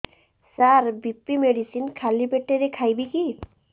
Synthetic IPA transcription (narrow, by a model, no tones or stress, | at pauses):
saɾbipːimeɖisinkʰalibeʈeɾekʰajbiki